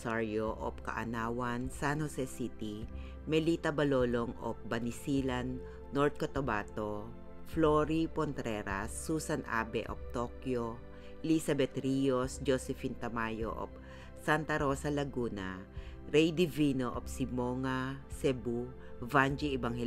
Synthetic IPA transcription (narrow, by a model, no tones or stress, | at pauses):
saɹjoʔo̰p̚kɐ̰ʔɐ̰naːwɐnsanhosɛsit̪i | mɛlit̪ɐbɐloːloŋʔo̰p̚bɐnisilanː | oɹt̪̚kot̪obat̪o | floɾipont̪ɾɛɾasːuːsɐnʔa̰ːbɛ̰ʔo̰p̚t̪okjo | ʔɛlisɐbɛt̪ɾijosd͡ʒosɛfint̪ɐmaːjo̰ʔo̰p̚ | sant̪ɐɾoːsɐlɐɡuːna̰ | ɾɛjd̪ivinoʔop̚simoŋasɛbu | vand͡ʒiɛbaŋhɛ